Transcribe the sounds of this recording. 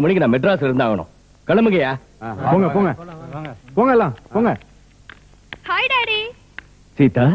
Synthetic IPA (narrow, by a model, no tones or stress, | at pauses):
mʊɳɪkːnãːmɛʈɾaːsɪɾɯnd̪aːɣɐnʊ̰̃ | kɐɽɐmɯŋɡɐjaː | poːŋɡɐpoːŋɡɐ | poːŋɡɐɛlːãːpoːŋɡɐ | hɐɪɽaɽi | siːt̪ːa